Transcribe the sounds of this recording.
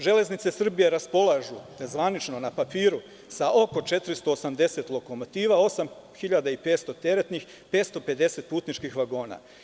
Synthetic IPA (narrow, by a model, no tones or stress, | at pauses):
ʒe̞le̞znit̪sesr̩bije̞ɾaspo̞lˠaʒuzʋanit͡ʃno̞napapiːɾu | saʔo̞ko̞t͡ʃe̞t̪ɾist̪o̞ːsamd̪e̞se̞t̪lˠo̞ko̞mo̞t̪iːʋao̞sam | xiʎad̪aipe̞ːt̪st̪o̞t̪e̞ɾe̞t̪nix | peːt̪st̪o̞pe̞d̪e̞se̞t̪̚puːt̪nit͡ʃkixʋaɡo̞ːna̰